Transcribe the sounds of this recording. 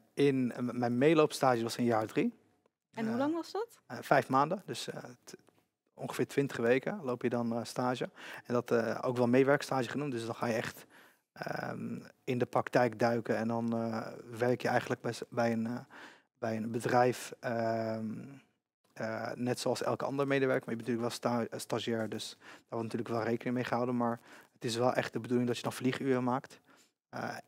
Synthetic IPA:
ɪnmɛjnmejlowpstaːʒəʋɔsənjaːɹdri | nɦulɑŋʋɑzdɔt | fɛjfmaːndədøs | ɔ̰̃ŋχə̥fɪːɹtʋɪntə̥χəʋejkəlowpjədɔnstaːʒəɛndɔto̰wkʋɛlˠmejʋɛɹkstaːʒəχənumtdøsdɔnχaːjəɛχt | ə̰ | ɪndəpraktɛjkdœɥkənɛndɔnʋɛɹkjəɛjχəntlək̚bbɛjən | bɛjənbədrɛjfə | nɛtsoɑlˠsɛ̰lˠkəɑ̰ndəɹmejdəʋɛɹkəmaɹjəbɛntyːləkʋɛlˠststaʒɛːɹdøsd̥aːɹʋɔɹtnatyːləkʋɛlˠrejkənɪŋmejχəɦawdənmaːɹətɪsʋɛlˠʔɛ̰χt̚dəbədulɪŋdɔtjədɔnfliχyːrəmaːkt

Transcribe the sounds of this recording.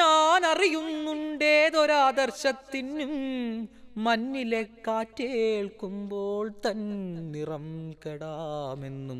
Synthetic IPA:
aːnɐrijunːuɳɖeːðoɾaːd̪ɐrɕɐt̪ːinːumː | ɐnːile̞kːaːtːeɭkumboːɭt̪ɐnnirɐmkeɽaːme̞nːum

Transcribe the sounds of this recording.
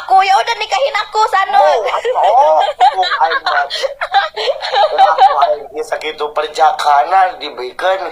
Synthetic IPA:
kujaudənikaɦinakusano | a | əaaiisakit̪upərd͡ʒakʰanandibəɾikan

